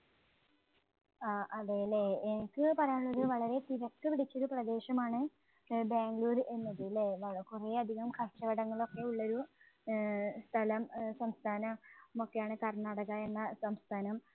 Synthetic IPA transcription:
aːʔɐðejileenikːɨpɐrɐjaːɭːoɾuʋɐɭɐɾe̞t̪iɾɐkt̪ːɨpiɽit͡ɕːo̞ɾuprɐd̪e̞ːɕɐmaːɳɨ | beːŋɡluːɾe̞nːɐðileʋɐkure̞ːɐd̪ʱiɣɐmkʰɐrʂɐʋɐɽɐŋːɐɭo̞kːe̞uɭːɐo̞ɾu | st̪ʰɐlɐmsɐmst̪ʰaːnɐmokːejaːɳɨkɐrnɐɽɐɣɐe̞nːɐsɐmst̪ʰaːnɐm

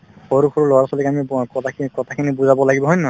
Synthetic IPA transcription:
xoɹukʰoɹulɔwaɹsɔlikamikɔkɔtʰakʰinibuzabɔlaɡibɔɦɔjnɔ

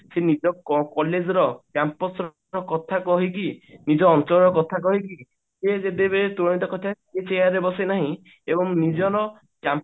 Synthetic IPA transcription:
senid͡ʒɔkɔkɔled͡ʒɔɾɔkjampɔsɾ | ɾɔkɔt̪ʰakɔɦikinid͡ʒɔːnt͡ʃɔɾɔɾɔkɔt̪ʰak̬ɔɦiki | sed͡ʒed̪ebeɾet̪uɾɔɽ̃it̪ɔkɔt̪ʰaket͡ʃejaɾebɔsenaɦĩ | ebɔŋnid͡ʒɔɾɔ | kjam

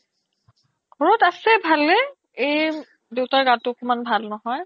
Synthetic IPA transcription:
ɡʱɔɹɔtasɛbʱalːɛ | ej | dewtaɹɡatʊkumanbʱalnɔɦɔj

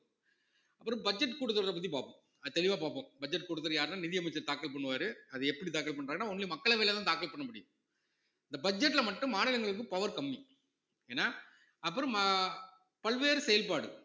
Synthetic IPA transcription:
ɐpːɯɾɔ̃bɐd͡ʒɛʈ̬ːkuːɽɯt̪ːɐɾɾɐp̬ɐt̪̬ːipaːpõ | ɐðɯt̪ɛɭɪʋaːpaːpõbɐd͡ʒɛʈ̬kuːɽɯt̪ːɐɾjaːɾɯnaːnɪðɪjɐmɐt͡ʃːɐɾt̪aːkːɐɭpɐɳːɯʋaːɾɯɐðɯɛpːɐɽit̪aːkɐɭp̬ɐɳːɾaːɡɐnːaːɔnːɐlɪmɐkːɐɭɐʋeːlɐt̪ãːt̪aːkɐɭpɐɳːɐmʊɽɪjɯ̃ | ɪnd̪ɐbɐd͡ʒɛʈːlɐmɐʈːɯ̃mːaːnɪlɐŋɡɐɭɯk̬ːɯpɐʋɐɾkɐmːi | eːnːaː | ɐpːɯɾɔ̃ɐ | pɐɭʋeːɾɯsɛjɐlpaːɽɯ̰

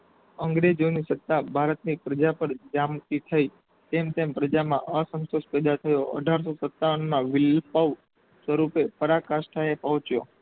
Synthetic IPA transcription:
əŋɡɾed͡ʒonisət̪ːabʱaɾət̪nipɾəd͡ʒapəɾd͡ʒamt̪it̪ʰəi | t̪emt̪empɾəd͡ʒamãʔəsə̃nt̪oʃpɛd̪at̪ʰəjoə̰ɖʱaɾs̬osət̪ːaʋənmãʋɪlpəʋ | swəɾupepəɾakaʃʈʰaepəɦɔ̃t͡ʃjo̰

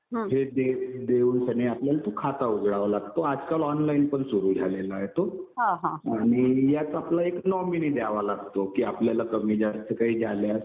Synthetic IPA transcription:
ɦed̪ed̪euːnsəneapljalat̪okʰat̪aud͡zʱɽaʋalaɡt̪oad͡zkalɔnlainpəɳsuɾuːd͡zʱalelaɦet̪oɦãɦãaɽ̃ijat̪aplaeknɔminiːd̪aaʋalaɡt̪okiːapljalakəmiːd͡ʑaɾt͡səkaɦiːd͡zʱaljas

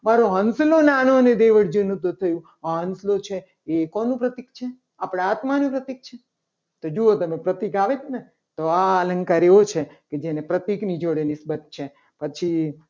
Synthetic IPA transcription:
maɾoɦənslonanoəned̪eʋəɽd͡ʒənũt̪̬t̪ʰəjũ | aɦənslot͡ʃʰeː | konũpɾət̪ikt͡ʃʰe | apɽ̃aat̪manũpɾət̪ik̚t͡ʃʰe | t̪od͡ʒoot̪əmepɾət̪ikaʋet͡ʃʰene | t̪oaələ̃ŋkaɾeʋot͡ʃʰeked͡ʒenepɾət̪iknid͡ʒoɽenɪsbət̪̚t͡ʃʰe | pət͡ʃʰi

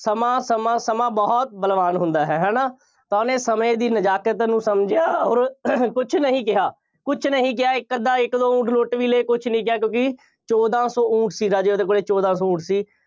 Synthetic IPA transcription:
səmãːsəmãːsəmãːbɔːɔt̪̚bəlʋaːnɦʊnd̪aːɦɛːɦɛːnaː | t̪aːnẽːsəmẽːd̪iːnəd͡ʒaːkət̪nũːsəmd͡ʒɪjaːɔːɾkʊt͡ʃʰnəɦĩːkɪɦaː | kʊt͡ʃʰnəɦĩːk̬ɪjaːɪkːəd̪aːɪkd̪oːũːʈʰloːʈʋiːleeːkʊt͡ʃʰnəĩːkɪjaːkjõːkɪ | t͡ʃɔːd̪ãːsɔːũːʈʰsiːɾaːd͡ʒeːoːd̪eːkoːleːt͡ʃɔːd̪ãːsɔːũːʈʰsiː

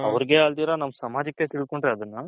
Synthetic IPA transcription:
ɐʋɐɾiɡeaːld̪iːɾanɐmːɐsɐmaːd͡ʒɐkːet̪iɭd̪̚ko̞ɳɖɾeɐd̪ɐnːɐ

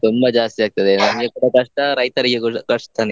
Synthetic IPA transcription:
t̪umbɐd͡ʒaːst̪iaːɡ̚t̪ɐd̪enɐniɡekuɽɐkɐʂʈɐɾɐjt̪ɐɾiɡekukɐʂʈt̪ʰɐni

